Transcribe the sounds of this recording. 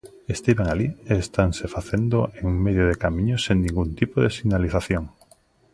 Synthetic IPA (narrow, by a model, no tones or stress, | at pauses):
est̪eβeŋalieːst̪aŋsefaθend̪oʔeŋuŋmeðjoðekamĩɲoseŋnĩŋɡunt̪ipoðesiɣnaliθaθjoŋ